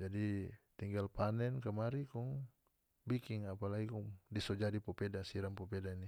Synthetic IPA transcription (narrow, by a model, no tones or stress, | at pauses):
d͡ʒadit̪iŋɡalpanɛnkamaɾikɔŋ | bikiŋapalaikɔŋdisɔd͡ʒadipɔpɛdasiɾaŋpɔpɛdani